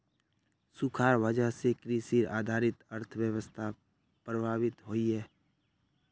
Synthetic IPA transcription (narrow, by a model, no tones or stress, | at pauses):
sʊkʰaːɾwəd͡ʒaɦsekɾiːsiɾa̰ːd̪ʱaːɾɪt̪əɾt̪ʰəʋjəwəst̪ʰa | pɾəbʱaːʋɪt̪ɦoːiɦɛː